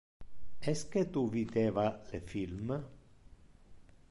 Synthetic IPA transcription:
ɛsket̪uvid̪evalefilm

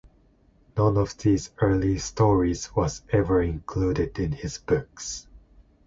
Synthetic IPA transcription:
nʌ̃nɔvðiːzɜ˞listɔɹizwʌzɛvə˞ɪ̃nkʰl̥udɪdɪ̃nhɪz̥b̥ʊks

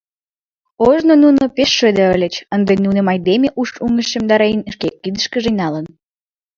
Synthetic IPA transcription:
oʒnonunopeʃːød̪əəlʲet͡ɕənd̪enunemɑjd̪emʲeʔuʃuŋəʃə̆md̪ɑɾɑinʃkekːid̪əʃkəʒenɑlən

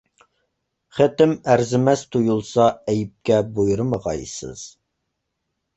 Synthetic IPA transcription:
χet̪ɪmæɾzɪmɛst̪ʰujulˠsɑɛjɪp̚kʲɛbojuɾɨmɑʁɑ̰jsɨ̰z̥

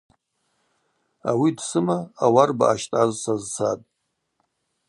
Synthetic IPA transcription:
awidsɨmaːwarba̰ːʃtʼazsazt͡sʰatʼ

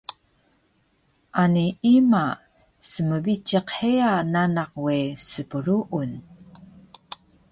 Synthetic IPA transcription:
ʔaniima | səməvit͡ʃeqheananaqwesəpəɾuʔun

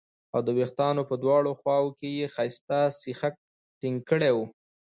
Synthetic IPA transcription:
awd̪əwext̪ɑnopəd̪wɑɽoxwɑwokejexajst̪asɪxak̚ | ʈɪŋɡ̚kəɽewu

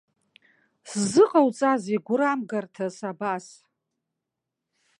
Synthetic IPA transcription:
szɨqʼawt͡sʼaziɡʷʊɾamɡartʰasabas

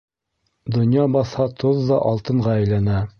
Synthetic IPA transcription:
d̪ŏnjɑbɑθhɑt̪ʰoðːɑʔɑlˠt̪ɤ̆ɴʁɑæjlænæ

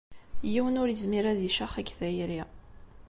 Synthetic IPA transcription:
jiwənʊɾjəzmiɾæðiʃaχæɡθæjɾi

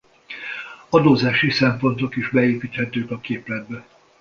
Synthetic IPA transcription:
ɒd̪oːzaːʃisɛmpo̞nt̪o̞kiʒbɛeːpiːt̪hɛt̪øːkɒkeːplɛd̪̚bɛ

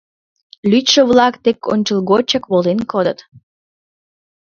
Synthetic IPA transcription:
lyt̪ʃəβlɑkt̪eko̰nʲt͡ɕəlˠɣot͡ɕəkβolenkod̪ət̪

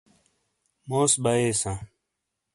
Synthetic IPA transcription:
moːsbaeːsãː

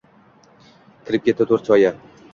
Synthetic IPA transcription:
kʲʰɪɾɪp̚kʲʰe̞t̪ːɪt̪ʰoɾt͡ʃʰɒja

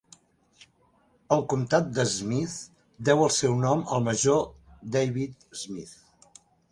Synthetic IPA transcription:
əlˠkumt̪at̪̚d̪əzmiθ | d̪ɛwəlˠsɛwnɔməlˠməʒod̪ejβit̪̚zmiθ

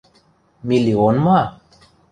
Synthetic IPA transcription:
milionma

